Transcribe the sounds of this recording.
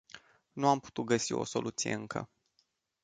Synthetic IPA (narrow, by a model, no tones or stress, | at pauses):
nuampu̥t̪ut̪̚ɡəsio̞̰so̞lʔut̪sije̞ɨŋkʰə̰